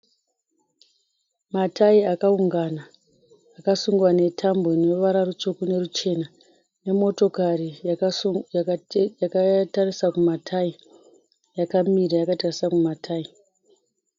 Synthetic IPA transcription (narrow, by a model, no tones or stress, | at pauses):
matʰaiakauŋɡanaː | kasuŋɡwane̞tʰamboinoʋaɾarut͡ʃokune̞rut͡ʃe̞na | ne̞mo̞to̞kari | jakatarisakumatʰai | jakamirajakatarisakumatʰaːi